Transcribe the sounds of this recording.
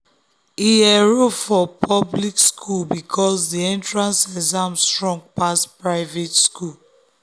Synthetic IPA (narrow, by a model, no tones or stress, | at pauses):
iɛɹofɔpʰɔblikskʰulbikʰɔsdiẽntɹãnsɛzãmstɹɔ̃ŋɡ̚paspɹaɪvetskul